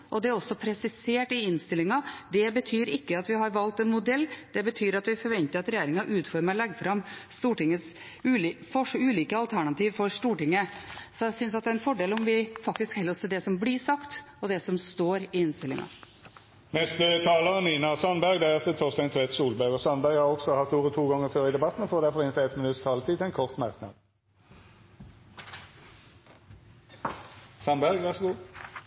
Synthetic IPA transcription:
ʔɔd̪ɛæɾɔsːɔpʰɾɛsɪseːʈɪɪnst̪ɪlːɪŋɑd̪ɛbət̪ʰyːɾɪkːəɑt̪ʋɪɦɑɾʋɑlt̪ɛnmʊd̪ɛlːd̪̥ɛbət̪ʰyːɾɑt̪ʋɪfɔɾʋɛnt̪əɾɑt̪ɾɛjeːɾɪŋɑʔʉːt̪fɔɾməɾlɛɡːəfɾɑmst̪uːʈɪŋːəs | ʉːfɔʂʉːliːkəɑlt̪ʰæɳɑt̪iːʋfɔɾst̪uːʈɪŋːəsɔæsʏns̬ɑt̪d̪æɾɛnfɔɖeːlɔmʋɪfɑk̚t̪ɪskhɛlːəɾɔst̪ʰɪld̪ɛsɔmblɪʂɑkt̪ | ɔd̪ɛsɔmst̪oːɾɪɪnst̪ɪlɪ̰ŋɑ̰ | nɛst̪ət̪ʰɑːləʁəniːnɑsɑnbæʁɡd̪ɛɛt̪ət̪ʰɔʁst̪ɛnt̪ʰʋɛt̪suːlbɑʉɡɔsɑnbæʁɡhɑːʁɔɡsɔhɑft̪uːʁət̪ʰuːɡɑŋːəføːʁəɪd̪ɛbɑt̪ːn̩ɔfoːd̪æfɔʁɪnt̪ʰɛɛt̪ːmɪnʉt̪st̪ʰɑːlət̪ʰiːt̪ʰɛɪnkʰɔʁt̪mɑʁknɑ̰d̪ | sɑnbæʁɡʋɑʁsɔɡuː

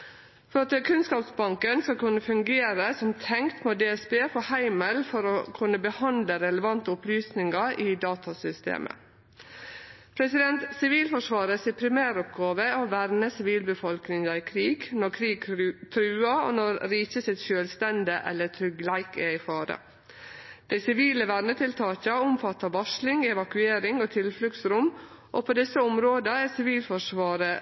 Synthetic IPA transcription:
fɔɾɑt̪əkʰʉnskɑːpsbɑŋkənsɑkʉnːəfʉŋɡeːɾəsɔmt̪ʰɛŋkt̪moːd̪eːɛsbeːfɔhæɪməlfɔɾokʰʉnːəbəhɑnd̪ləɾɛləʋɑnt̪əʊplyːsnɪŋɑʔɪd̪ɑːt̪ʰɑsʏst̪ḛːmʔə̰ | pʰɾɛsɪd̪ɛnt̪sɪʋiːlfɔʂʋɑːɾəsɪpʰɾɪmæːɾɔpɡɑːʋəoʋæɾnəsɪʋiːlbəfɔlknɪŋɑɪkʰɾiːɡnɔɾkʰɾiːɡt̪ʰɾʉːɑo̰nɔɾɾiːçəsɪt̪ʃøːlst̪ɛnd̪əʔɛlːət̪ʰɾʏɡlæɪkɛɪfɑːɾə̰ | d̪̥æɪsɪʋiːləʋæɾnət̪ʰɪlt̪ʰɑːçɑʊmfɑt̪ːɑʋɑʂlɪŋɛʋɑkʉeːɾɪŋoːt̪ʰɪlflʉɡsɾʊmʔoːpʰoːd̪ɪsəʊmɾoːd̪əæsɪʋiːlfɔʂʋɑːɾə

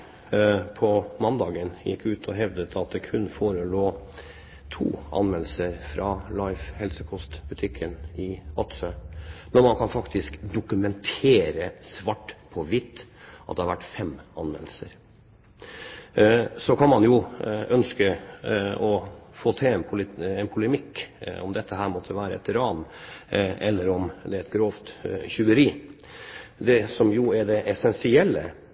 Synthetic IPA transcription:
pʰɔmɑnd̪ɑːɡənjɪ̰kʰːʉːt̪ʰɔɦɛʋd̪ət̪ʰɑt̪̚d̪ɛkʰʉnːfoːɾəloː | t̪ʰṵːʔɑ̰nmɛl̩səɾfɾɑlɑɪfhɛlsəkʰɔst̪bʉt̪ʰɪkʰːənɪɑt̪səmɛnmɑnkʰɑnfɑkt̪ɪskd̪ʊkʉmɛnt̪ʰeːɾəsʋɑʈːpʰɔʋɪt̪ːʔɑt̪d̪ɛhɑɾʋæʈːfɛmɑnʋɛ̰nsə̰ɾ | sɔkʰɑnmɑnjʊœnskə | ɔfoːt̪ʰɛnpʰʊlɛnpʰʊləmɪkːɔ̰md̪ɛt̪ːəɦæːɾmɔt̪ʰːəʋæːɾəɛt̪ɪɾɑːn | ɛlːəɾɔmd̪ɛæɾɛt̪̚ɡɾoːft̪çʉːəɾiː | d̪ɛsɔmjʊæɖɛʔɛsɛnsɪɛlːə̰

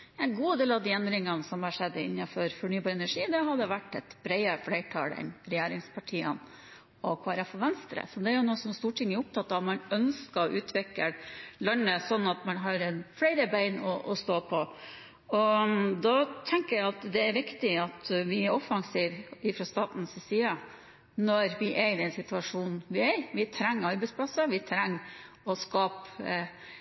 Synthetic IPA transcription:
ɛnɡuːd̪eːlɑʋd̪iːɛnd̪ɾɪŋɑnsɔmhɑʂɛd̪ːəɪ̰nːɑfɔɾfɔɳyːbɑːɾɛnæʂiːd̪ɛɦɑd̪ːəʋæʈːɛt̪b̥ɾæɪəɾflæɪʈʰɑ̰ːlɛ̰nɾɛjeːɾɪŋspʰɑʈʰiːə̰n | ɔkʰʋɑːɾɑfɔʋɛnst̪ɾə̰sɔd̪ɛæɾjʊnoːsɔmst̪uːʈʰɪŋːəʊp̚t̪ʰɑt̪ːɑːʋmɑnœnskɑʔʉːt̪ʰʋɪkːəlœnəsɔnːɑt̪mɑnɦɑɾɛnfɽæɪɾəbæɪnɔʔɔst̪oːpʰɔ | ɔd̪ɑt̪ʰɛŋkəɾæɪɑt̪d̪ɛːɾʋɪkt̪ɪɑt̪ʋɪæɾɔfɑŋsiːʋɪfɾɑst̪ɑːt̪n̩sɪsiːə | nɔɾʋɪʔɛɪd̪ɛnsɪt̪ʉɑʂuːnn̩ʋɪɛʋɪt̪ʰɾɛŋːɑɾbɛɪspʰlɑsəʋɪt̪ʰɾɛŋː | ɔskɑːp

